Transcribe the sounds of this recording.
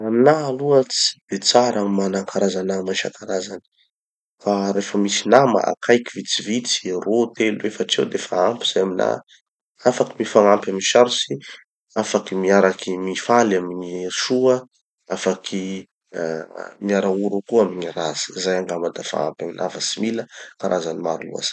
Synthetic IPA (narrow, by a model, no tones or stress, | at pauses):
aminaːluət͡si̥b̥et͡saɾamanakʰaɾazanamaʃa̰kaɾazani̥ | faɾefəmisinama̰a̰kʰajkivit͡sivit͡si̥rot̪elwefaʈ͡ʂewd̪efaampi̥z̥ajamina̰ | afaki̥mifaŋampaminʃaɾusi | afakimiaɾakimifalaminiʃuə | afakʰi | miaɾauɾukuaminiɾaz̥i̥zajaŋɡamad̪afa̰a̰mpʲaminʔa̰fasimiləkaɾʔazanimaɾulṵa̰z̥ḁ